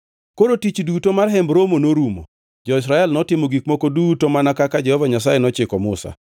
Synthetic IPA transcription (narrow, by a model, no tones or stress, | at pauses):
koɾotit͡ʃdutomarɦɛmbɾomonoɾumo̰ | d͡ʒɔɪs̬ɾaɛlnɔtɪmoɡikmokodutomanakakad͡ʒɛhɔvaɲas̬ajenɔt͡ʃɪkɔmʊsa̰